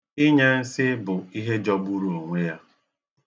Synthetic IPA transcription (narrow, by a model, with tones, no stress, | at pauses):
ɪ˦ɲe˦n̩˦sɪ˦bʊ˨i˦ɦe˦d͡ʒɔ˦bu˦ɾu˦o˨ŋʷe˦ja˦